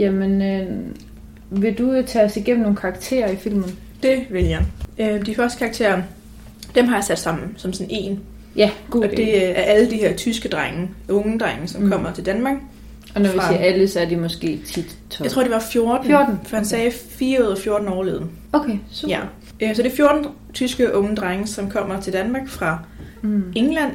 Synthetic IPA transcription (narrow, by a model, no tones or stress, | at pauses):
jæmenø | ʋe̝d̥ut͡sʰæsiɡ̥em̰̩no̝ːn̩kʰɑ̈ɡ̥t͡sʰe̝̰ːɐifil̰mn̩ | d̥e̝ʋe̝ljɑ̈ɪød̥ifɶɐsd̥ə̥kʰɑ̈ːɡ̚t͡sʰe̝̰ːɐ | d̥emɦɑ̈jäsæd̥sɑ̈m̰n̩sɒ̽msɔne̝̰ːn | jæ̥ɒd̥e̝æɐʔæləd̥iheɐ̰t͡sʰysɡ̥əd̥ʁaŋəʔɔ̽ŋd̥ʁaŋəsɒ̽mkʰɒ̽m̰ɐt͡sʰe̝ld̥ænmɑ̈ːɡ̥ | ɒ̽nɒʋiseæləsɒ̽æɐd̥emɒsɡ̥e̝̰ːt͡sʰid̥ʰ | at͡sʰo̝̰ɐde̝ʋɑ̈fjo̝ɐd̥n̩o̥fɒ̽hænsɛːfiːɐoðˠɐfjo̝ɐd̥n̩ɒ̰ːleːðˠn̩ | okʰejæ | ʔøsɒ̽d̥e̝fjo̝ɐd̥n̩ | t͡sʰysɡ̥əʔɔ̽ŋəd̥ʁaŋəsɒ̽mkʰɒ̽m̰ɐt͡sʰe̝ld̥ænmɑ̈ːɡ̥fʁɑ̈ | eŋlæn̰